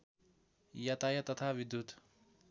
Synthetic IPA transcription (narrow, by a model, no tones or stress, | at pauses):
jat̪ajʌt̪ʌt̪ʰabid̪jut̪